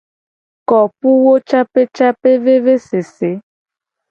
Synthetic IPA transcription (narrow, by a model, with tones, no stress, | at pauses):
kɔ˨pu˦wo˦t͡ʃa˦pe˦t͡ʃa˦pe˦ve˦ve˦se˨se˨˦